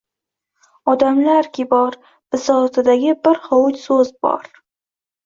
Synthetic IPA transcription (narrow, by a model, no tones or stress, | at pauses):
ɒd̪amlaɾkʲɪbɒɾ | b̥ɪsɒt̪ʰɪd̪aɡʲɪbɪɾhowʊt̪sɵzbɒ̰ɾ